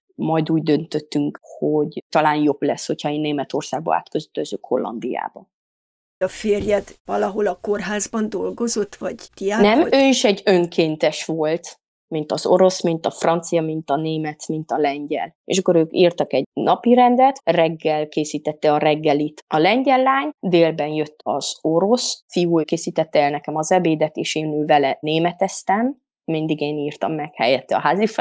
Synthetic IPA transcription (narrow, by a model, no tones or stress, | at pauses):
mɒjd̪uːɟd̪ønt̪øt̪ːyŋkhoɟt̪ɒlaːnjo̞blɛsːho̞chɒeːnːeːmɛt̪o̞rsaːɡ̚bɒ̰a̰ːt̪køzøt̪øzøːkho̞̰lːɒ̰nd̪ija̰ːbɒ | ɒfeːrjɛt̪vɒlɒɦo̞lɒkorɦaːzbɒnd̪o̞lɡo̞zo̞t̪ːvɒɟt̪ianɛmøːiʃɛɟːøŋkʰeːnt̪ɛʃʋo̞lt̪ | mint̪ɒzo̞ɾo̞smint̪ɒfrɒnt̪sijɒmint̪ɒneːmɛt̪mint̪ɒlɛɲɟɛ̰lḛːʃɒkːo̞ɾøːkiːrt̪ɒkɛɟnɒpiɾɛnd̪ɛt̪rɛɡːɛlkeːsiːt̪ɛt̪ːɛɒɾɛɡːɛlit̪ɒlɛɲɟɛlːaːɲd̪eːlbɛnjø̞t̪ːɒz̥o̞ɾo̞sfijuːkeːsiːt̪ɛt̪ːɛːlnɛkɛmɒzɛbeːd̪ɛt̪eːʃeːnøːvɛlɛneːmɛt̪ɛst̪ɛmː | ind̪iɡeːniːrt̪ɒ̰mːɛkhɛjɛt̪ːɛɒ̰ɦaːzif